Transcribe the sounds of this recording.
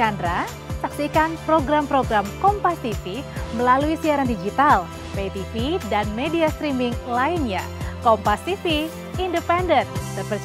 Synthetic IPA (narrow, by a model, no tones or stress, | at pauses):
andɾa | saksikanpɾoɡɾampɾoɡɾamkɔmpast̪ifiməlaluisiaɾandid͡ʒit̪al | pet̪ifidanmediast̪ɾimiŋlainɲa̰ | kɔmpast̪ifiː | ndəpɛndənt̪ərpər